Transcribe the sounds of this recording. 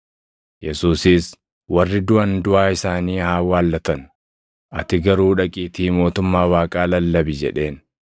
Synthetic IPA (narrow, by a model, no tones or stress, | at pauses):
jɛsuːsɪs | wɐrːɪd̪ʊʔɐnd̪ʊʔaːɪsaːniːhaːwaːlːɐt̪ɐn | ʔɐt̪ɪɡɐɾuːᶑɐkʼiːt̪iːmo̞ːt̪ʊmːaːwaːkʼaːlɐlːɐbɪd͡ʒɛᶑe̞ːn